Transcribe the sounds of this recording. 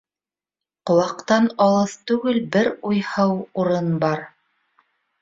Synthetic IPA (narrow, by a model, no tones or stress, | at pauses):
qŏlˠɑqt̪ɑnɑlˠɤθt̪ʉɡɘlbɘɾujhɤwuɾɤnbɑɾ